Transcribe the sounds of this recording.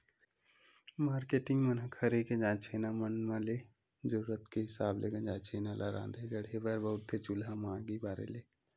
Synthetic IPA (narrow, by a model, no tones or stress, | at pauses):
maːɾkeːʈɪ̃ŋɡmənəkʰəɾekẽd͡ʒãːt͡ʃʰenamənmãle | d͡ʒəɾuːɾət̪keɦɪsaːblʔḛɡə̃d͡ʒãːt͡ʃʰeːnalaɾa̰ːnd̪ed͡ʒəɽɦebəɾbəɦʊt̪ːet͡ʃulamãːɡibaːɾḛleː